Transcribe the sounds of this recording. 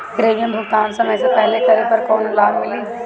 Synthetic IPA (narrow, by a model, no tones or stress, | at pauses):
ɡɾeːjə̃nd̪ʱʊk̪aːnsəməːsepɛɦlet̪əɾepəɾkɔːnlaːdmɪleː